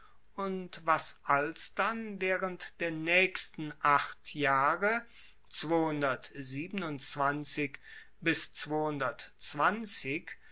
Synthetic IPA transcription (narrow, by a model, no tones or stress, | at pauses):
ʔʊntvasʔalsd̥anvɛːʁəntd̥eːɐnɛːkstn̩ʔaχtʰjaːʁə | t͡sv̥oːhʊndɐtziːbənʊnt͡sv̥ant͡sɪk | bɪst͡sv̥oːhʊndɐtt͡sv̥ant͡sɪk